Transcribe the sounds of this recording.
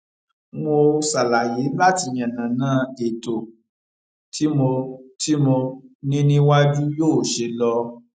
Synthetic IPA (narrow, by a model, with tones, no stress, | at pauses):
mo˧sa˨la˨je˨˦n̩˦la˦ti˧j̃ã˨nã˨nãː˨˦e˨to˨ | tʰi˨˦mo˧ti˦mo˧nĩ˦nĩ˦wa˦d͡ʒu˦joː˦˨ʃe˧lɔ˧